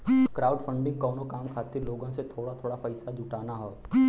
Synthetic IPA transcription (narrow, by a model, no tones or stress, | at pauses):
kɾaːʊɖfʰə̃ɳɖɪ̃ŋɡ̚kɔːnokaːmkʰaːt̪ɪɾloːɡõset̪ʰoːɽat̪ʰoːɽapəɪsad͡ʒʊʈaːnaɦɛː